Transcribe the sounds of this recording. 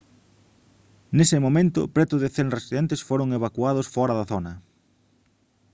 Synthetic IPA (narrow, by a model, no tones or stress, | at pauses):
nesɪmomẽnt̪ʊ̰pɾɛt̪ʊðeθeŋresiðent̪esfoɾoŋeβakwaðʊsfɔɾɐðɐθonɐ